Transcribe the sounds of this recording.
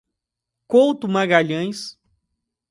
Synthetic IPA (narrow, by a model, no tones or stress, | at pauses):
kowt̪ʊmaɡaʎɐ̃j̃s